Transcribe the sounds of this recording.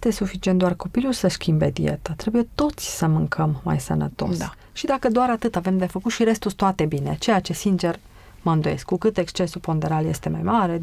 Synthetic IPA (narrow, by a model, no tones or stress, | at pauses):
et̪e̞sufit͡ʃient̪d̪oarko̞pilulsəʃkʲimbe̞d̪ḭe̞̰t̪at̪ɾe̞buje̞t̪o̞t̪sʲsəmɨŋkʰəmːa̰jsə̰nə̰t̪o̞̰s | ʃid̪akəd̪oaɾat̪ɨt̪ave̞md̪e̞fəkut̪ʃiɾe̞st̪ust̪oat̪e̞binet͡ʃe̞jat͡ʃe̞sint͡ʃe̞r | məɨnd̪oje̞̰skːukɨt̪e̞kst͡ʃe̞supo̞nd̪eɾalje̞̰st̪e̞ma̰jmaɾe̞